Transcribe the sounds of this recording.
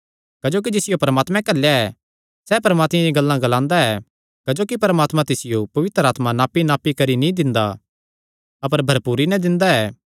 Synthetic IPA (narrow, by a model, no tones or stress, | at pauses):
kɐd͡ʒoːk̬id͡ʒɪsɪjopɐɾmaːt̪mɛ̃kɐljaɛ | sɛpɐɾmaːt̪mãjĩɡɐlːãɡɐlãːnd̪aɛ | kɐd͡ʒoːkipɐɾmaːt̪mãt̪ɪsɪjopɐʋɪt̪ɾəaːt̪mãnaːpːinaːpːikɐɾinĩd̪ɪ̃nd̪a̰ | ɐpəɾbʱɐɾpuːɾinɛ̃d̪ɪ̃nd̪aɛː